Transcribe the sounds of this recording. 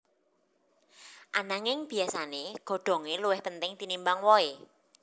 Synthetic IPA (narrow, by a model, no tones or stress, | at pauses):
ʔanaŋɪŋb̥i̤asaneɡ̥ɔ̤ɖ̥ɔ̤ŋeluwɪhpənt̪ɪŋt̪inimbaŋwɔe